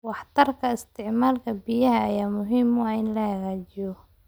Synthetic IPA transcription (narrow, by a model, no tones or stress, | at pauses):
wɑħt̪ʰɐrkʰɐɪst̪ʰɪʕmaːlkʰɐbijɐɦɐːjaːmʊɦiːmwɑːɪnlɐhɐɣaːt͡ʃɪjɔ